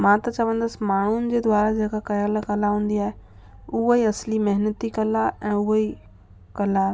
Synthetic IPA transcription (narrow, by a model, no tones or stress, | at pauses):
mãːt̪ɐt͡ɕɐʋə̃n̆d̪əsɪ̆maːɳ̤unɪ̆d͡ʑeːd̪waːɾad͡ʑeːkakɐjalkɐlaɦũːn̆d̪iaːɦe | ʊɦoiɐslimɐɦɪnət̪ikɐlaʔɛ̃ːʊɦoi | kɐla